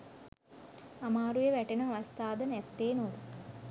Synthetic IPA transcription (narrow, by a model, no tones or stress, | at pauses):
ɐmaːɾujeʋæʈenɐːʋɐst̪aːd̪ɐnɛt̪ːeːnod̪u